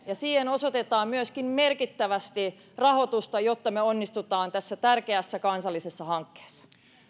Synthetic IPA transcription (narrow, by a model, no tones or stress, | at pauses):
jɑsiːheno̞so̞t̪et̪ɑːmmyøskimme̞rkit̪ːæʋæst̪i | rɑho̞t̪ust̪ɑjo̞t̪ːɑmeonːist̪ut̪ɑːnt̪æsːæt̪ærkeæsːækɑnsɑlːise̞sːɑhɑŋkːe̥ːsːɑ̥